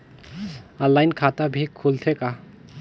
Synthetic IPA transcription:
əlːajnkʰat̪abʱikʰult̪ʰeka

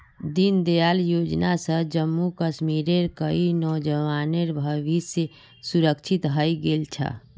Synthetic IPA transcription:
d̪ind̪ejaljoːd͡ʒnasə̃d͡ʒəmːukəʃmiɾeɾkəinɔd͡ʒəwaːneɾbʱəʋise | suɾəkt͡ʃʰit̪ɦəjɡelt͡ʃʰə̰

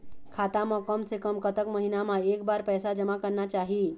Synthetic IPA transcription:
kʰat̪aməkəmsekəmkət̪əkməɦinamaek̚baɾpəjsad͡ʑəmakəɾnat͡ɕaɦi

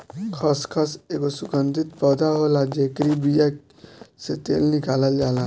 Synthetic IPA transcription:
kʰɔskʰɔsekosukənd̪it̪̚pɔd̪aɦolad͡ʒekɾibijak | set̪ḛlnikalald͡ʒala

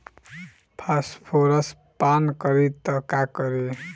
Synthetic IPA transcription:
pʰaspʰoɾʌs | pankʌɾit̪ʌkakʌɾi

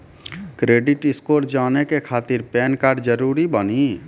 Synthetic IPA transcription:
kɾeːɖɪʈɪskoːɾd͡ʒaːnekekʰaːt̪ɪɾpɛːnkaːɾɖd͡ʒəɾuːɾibəni

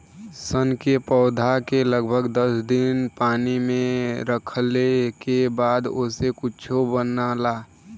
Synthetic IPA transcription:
sənkepəːd̪ʱakeləɡbʱəɡd̪əsd̪inpaːnimẽɾəkʰlekebaːd̪osekʊt͡ʃʰobənalaː

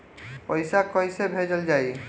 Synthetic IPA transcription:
pɔjsakɔjsebʱed͡ʒəld͡ʒaj

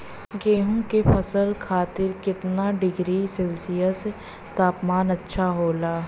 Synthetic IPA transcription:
ɡeːɦõkepʰɐsəlkʰaːt̪ɪɾkɪt̪naɖɪɡɾisɪlsɪjəs | t̪aːpmaːnɐtːʃʰaɦoːlaː

